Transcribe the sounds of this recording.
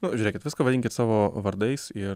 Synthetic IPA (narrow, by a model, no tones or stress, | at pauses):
nʊʒʲʊːɾʲeːkʲɪt̪ʋʲɪskɐʋɐd̪ʲɪŋʲkʲɪt̪sɑːʋoːʋɐɾd̪ɐɪsɪ